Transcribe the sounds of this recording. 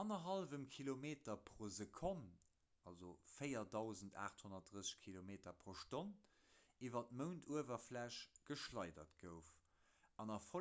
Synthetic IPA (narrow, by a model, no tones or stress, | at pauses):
ɑnɐɦɑlvəmkʰilomeːtɐpʁoːzəkʰon | ɑlzofəɪɐdɑʊzənta̰ːχthonɐt̚dʁəsə̥ʃkʰilomeːtɐpʁoːʃton | ivɐt̚məʊntʰuəvɐflæʃɡ̥əʃlɑɪdɐ̰tɡ̥əʊf | ɑnɑfo